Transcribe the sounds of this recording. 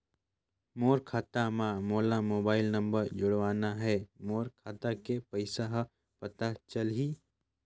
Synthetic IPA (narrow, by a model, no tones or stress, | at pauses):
moːɾkʰaːt̪amãmoːlamoːbaːɪlnɐ̃mbəɾd͡ʒʊɽʋaːnaɦɛːmoːɾkʰaːt̪akepəɪsaɦ | pɐt̪at͡ʃəlɦiː